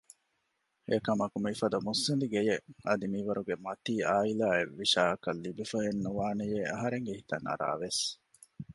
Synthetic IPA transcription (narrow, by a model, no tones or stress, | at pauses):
ekɐmɐkumifɐd̪ɐmusːind̪iɡejeɐd̪imiʋɐɾuɡemɐt̪iːʔaːilaːeʋːiʃaːɐkɐlːibefɐɦenːuʋaːnejeɐɦɐɾeŋɡeɦit̪ɐŋɐ̰ɾa̰ːʋes